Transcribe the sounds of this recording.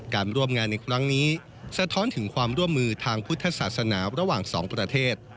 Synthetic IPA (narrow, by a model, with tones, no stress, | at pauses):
kaː˧nɾu˥˩əmŋaː˧nːa˧jkʰɾa˦˥ŋniː˦˥ | sa˧t̪ʰɔː˦˥nt̪ʰɯ˩˦ŋkʰwaː˧mɾu˥˩əmːɯː˧t̪ʰaː˧ŋpʰu˦˥t̪ʰːa˧saː˨˩t̪sa˧naː˩˦ɾa˧waː˨˩ŋsɔ̰ː˩˦ŋpɾa˧t̪ʰeː˥˩t̪̚